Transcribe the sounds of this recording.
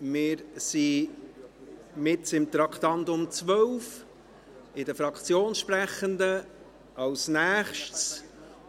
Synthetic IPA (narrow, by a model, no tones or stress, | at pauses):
mɪːɾsi | mɪtsɪmt̪ɾɑkt̪ɑntʊmt͡svœwf | ɪdəfɾɑkʰt͡sjoːnʃpɾæχəndə | ɑlsnæːχʃts